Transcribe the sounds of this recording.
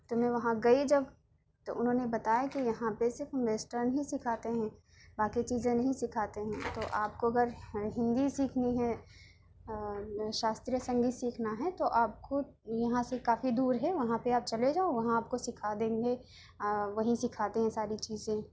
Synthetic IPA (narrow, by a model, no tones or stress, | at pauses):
t̪omɛ̃ʋɐɦãɡɐid͡ʒɐb | t̪oʔʊnɦõːnebɐt̪aːjakijɐɦãpesɪɾfɐmʋeːsʈəɾnɐɦĩsɪkʰaːt̪eɦɛ̃ː | baːkit͡ʃiːzẽnɐɦĩsɪkʰaːt̪eɦɛ̃t̪oʔaːp̚koɐɡəɾɦɪ̃nd̪isiːkʰniɦɛ | ʃaːst̪ɾijəsɐ̃ŋɡisiːkʰnaɦɛt̪oʔaːp̚ko | jɐɦãsekaːfid̪uːɾɦɛʋɐɦãpeaːp̚t͡ʃɐled͡ʒaːoʋɐɦãaːp̚kosɪkʰad̪ẽːŋɡe | ʋɐɦĩsɪkʰaːt̪eɦɛ̃saːɾit͡ʃiːzẽ